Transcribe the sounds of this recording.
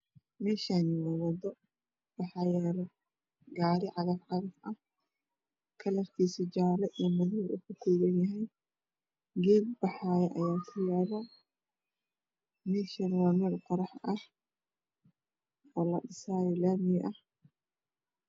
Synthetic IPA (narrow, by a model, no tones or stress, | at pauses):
mɛːʃaniwɑðɐdɔ | b̥ɑħɑjaːl | ɡaːɾɪʕɑðɐfʕɑðɐfʔɐh | kʰɐlɐfkʰiːsid͡ʒaːlɐʔijɔmʊðɪnʊkʰʊkʰuːɣɐnjɐɦɛj | ɡɛːb̚bɑħaːjɛʔɐjaːkʰʊjaːβaː | mɛːʃɐnwɑːmɐrqɑɾɑħɐh | ɔːlɐɗɪsaːjɔlaːmɪjʔɐh